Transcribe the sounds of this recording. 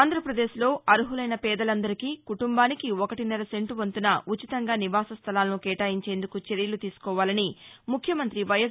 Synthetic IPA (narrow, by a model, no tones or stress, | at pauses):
aːnd̪ʱɾɐpɾɐd̪eːʃlo̞ːʔɐɾuɦulɐjnɐpɛːd̪ɐlɐnd̪ɐɾikiːkuʈumbaːnikiokɐʈinɐɾɐse̞ɳʈuʋɐnt̪unɐut͡ʃit̪ɐŋɡaːniʋaːsɐst̪ʰɐlaːlɐnukɛːʈaːjiɲt͡ʃe̞ːnd̪ukut͡ʃe̞ɾijɐlut̪iːsu̥kɔːʋaːlɐnimukʰjɐmɐnt̪ɾiʋɐjɐ